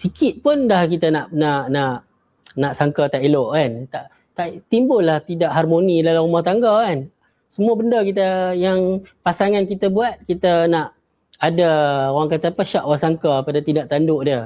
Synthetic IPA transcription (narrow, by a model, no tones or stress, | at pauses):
sikɪt̪̚pʊndahkit̪anaʔnaʔnaʔ | naʔsaŋkat̪aʔiloʔkant̪aʔ | t̪aʔt̪imbʊlːaht̪idaʔɦarmonilaluɾumɔht̪aŋɡakan | səmuəbəndəkit̪əjaŋpasaŋankit̪abuat̪̚kit̪anaʔ | adaoaŋkat̪əpəʃaʔwasaŋkapadat̪indaʔt̪andʊʔdiə